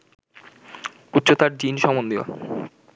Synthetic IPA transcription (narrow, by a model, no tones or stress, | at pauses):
ut̪ːɕʰot̪aɾd͡ʑinʃɔmond̪io̰